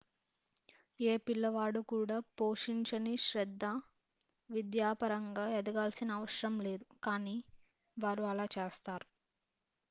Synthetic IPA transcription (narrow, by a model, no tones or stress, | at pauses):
eːpilːɐʋaːɽukuːɽaːpo̞ːʂiɲt͡ʃɐniʃɾɛd̪ːa | ʋid̪jaːpɐɾɐŋɡaːɛd̪ɐɡaːlsinɐːʋɐʃɾɐmle̞ːd̪ukaːniː | ʋaːɾuɐlaːt͡ʃeːst̪aːɾu